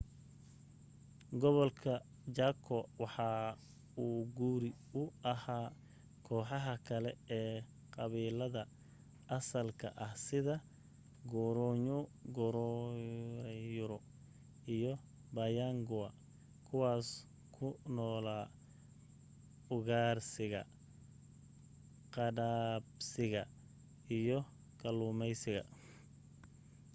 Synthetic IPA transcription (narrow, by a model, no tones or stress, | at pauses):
ɡɔβɔlkʰɐ | t͡ʃaːkʰɔwɑħɑː | uːɡuːɾɪ | ʊɐhaː | kʰɔːħɑɦɐkʰɐlɛɛː | qɑβiːlɐðɐ | ʔɐsɐlkʰɐ̰ʔɐhsɪðɐ | ɡɔɾɔɲɡɔɾɔ | ɾɛjʊɾɔ | ijɔ | bɐjaŋɡʊɐ | kʰʊwaːs | kʰʊnɔːlaː | ʊɣaːrsɪɣɐ̰ | qɑdaːbsɪɣɐ | ijɔ | kʰɐlumɛjsɪɣɐ̰